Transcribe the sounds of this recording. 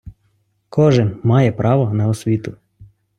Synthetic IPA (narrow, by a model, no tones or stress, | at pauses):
kʰɔʒɪnmɑjɛpɾɑʋɔnɐɔsʲʋʲit̪ʊ